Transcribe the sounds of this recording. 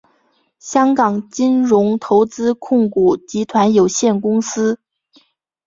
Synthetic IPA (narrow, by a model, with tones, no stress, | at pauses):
ɕjɑ˥ŋkɑ˨˩ŋt͡ɕi˥nɻʊ˧˥ŋt̪ʰo˧˥ʊt͡sɹ̩˥kʰʊ˥˩ŋku˨˩t͡ɕi˧˥t̪ʰwa˧˥njo˨˩ʊɕjɛ˥˩nkʊ˥ŋsɹ̩˥